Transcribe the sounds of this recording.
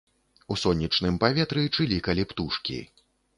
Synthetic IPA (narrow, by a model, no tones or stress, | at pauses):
usɔnʲːit͡ʂnɨmpavʲɛt̪ɾɨt͡ʂɨlʲikɐlʲipt̪uʂkʲḭ